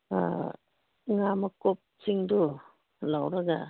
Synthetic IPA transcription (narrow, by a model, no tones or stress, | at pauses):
ŋamɐkɔp̚t͡ʃiŋdɔ | lawɾaɡa̰